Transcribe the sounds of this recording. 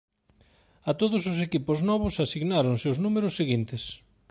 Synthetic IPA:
at̪oðʊs̬ʊsekipʊznɔβ̞ʊsasiɣnaɾoŋseʊznumeɾʊsːeɣint̪ɪs

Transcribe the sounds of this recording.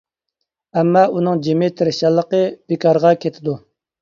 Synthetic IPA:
ɛmːɑʔunɨŋd͡ʒemɪt̪ʰɪɾɪʃɑlˠːəqəb̥ekʰɑɾʁɑkʲʰet̪ʰɪd̪u

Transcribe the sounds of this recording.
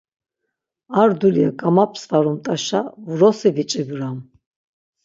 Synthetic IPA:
aɾd̪uliaɡamapʰsvaɾumt̪ʼaʃavrɔsivit͡ʃʼibɾam

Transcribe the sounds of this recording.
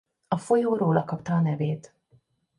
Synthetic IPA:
ɒfo̞joːɾoːlɒkɒpt̪ɒːnɛveːt̪

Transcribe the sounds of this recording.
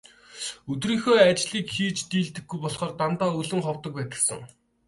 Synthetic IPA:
ɵt̪riːŋxoːat͡ɕɮiːkxiːt͡ɕt̪iːɮt̪ɘ̆ɡːujpɔɮχɔːrt̪ant̪aːɵɮɵ̆ŋχɔwt̪ə̆k̚pæːt̪ə̆ɮsə̰̆ŋ

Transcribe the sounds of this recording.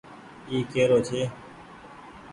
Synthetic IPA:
iːkeːɾoːt͡ʃʰeː

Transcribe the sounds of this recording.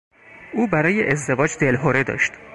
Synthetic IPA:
ʔuːbæɾɒːjeʔezd̪e̞vɒːd͡ʒd̪̥elɦoɾe̞d̪ɒ̰ːʃt̪

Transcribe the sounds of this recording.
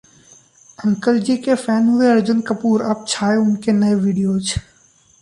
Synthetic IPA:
ɐ̃ŋkəld͡ʑiːkefɛːnɦueəɾd͡ʒənkəpuːɾɐp̚t͡ɕʰaːjoʊnkʰeːnəeʋiːɖijoːt͡ʃʰ

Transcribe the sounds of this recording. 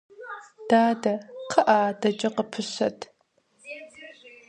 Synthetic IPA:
d̥aːdɐqʰɐʔaːdɐd͡ʒʼɐqəpʰɨɕɐtʰ

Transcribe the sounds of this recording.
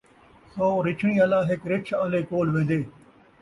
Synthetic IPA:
sɔːɾɪt͡ʃʰɳ̃ĩːəlaːɦɪkɾɪt͡ʃʰaleːkoːlʋẽːd̪eː

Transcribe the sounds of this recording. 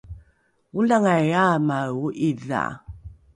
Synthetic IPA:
ulaŋajaːmauʔiðːa̰

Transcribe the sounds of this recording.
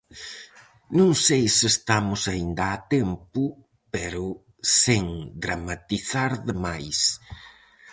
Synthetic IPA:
nũŋsejsɪest̪amʊsaind̪ɐːt̪ɛmpʊ | pɛɾʊ | seŋd̪ɾamat̪iθaɾðɪmajs

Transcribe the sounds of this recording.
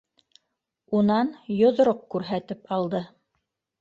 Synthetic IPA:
unɑnjŏð̆ɾoq̚kʉɾɦæt̪ɘpɑlˠd̪ɤ

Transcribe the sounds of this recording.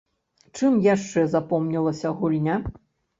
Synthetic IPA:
t͡ʂɨmjaʂt͡ʂɛzapɔmnʲɐlˠɐsʲɐɣulʲnʲa

